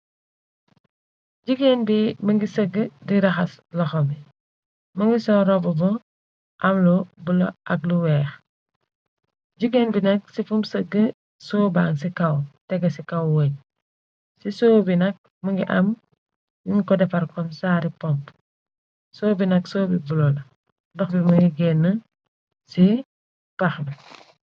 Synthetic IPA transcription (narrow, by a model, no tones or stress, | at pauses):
ɟiɡenbimɐŋɡisəɡːədiɾɐxɐslɔxɔmi | mɐŋɡisɔɾɔbɔbɔ | ʔɐmlɔbulɐ̰ʔɐk̚luwɛːx | ɟiɡeːnbinɐk̚sifumsəɡːə | soːbaːŋsikɐwtɛɡɐsikɐwwəɲ | sisoːbinɐk̚ | mɐŋɡiʔɐm | juŋkɔdɛfɐɾkɔmsaːɾipɔmp | soːbinɐksoːbibulɔl | dɔxbimɐŋɡiɡɛnːə | si | pɐxn